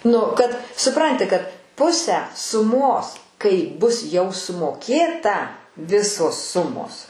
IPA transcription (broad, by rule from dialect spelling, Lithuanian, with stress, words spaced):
ˈnʊ kɐt sʊˈprɐnʲtʲɪ kɐt ˈpʊsʲæː sʊˈmoːs kɐɪ bʊs jɛʊ sʊmoːˈkʲeːtɐ ˈʋʲɪsoːs ˈsʊmoːs